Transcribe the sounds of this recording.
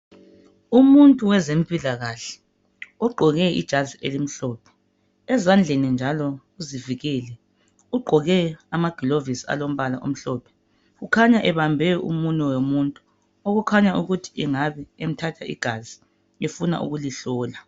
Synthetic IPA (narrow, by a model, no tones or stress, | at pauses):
umuntʼuwɛzempʼilaɣaɬɛ̥ | ɔɡ͡ǃʱɔɣɛḭd̥ʒ̥ʱazielim̩ɬɔːpʰɛ̥ | ɛzand͡ɮʱenind͡ʒʱalɔ | uziviɣɛlɛ | uɡ͡ǃʱɔɣɛamaɡ̥ʱilovisia̰lom̩βala̰ʔo̰m̩ɬɔːpʰɛ̥ | ɣukʰaɲaʔɛβambʱɛṵmunɔwomuntʼu̥ | oɣukʰaɲaʔuɣutʰi̥ɛŋaβɛem̩tʰatʰaʔḭɡ̥ʱazi | efuna̰ʔṵɣuliɬɔːla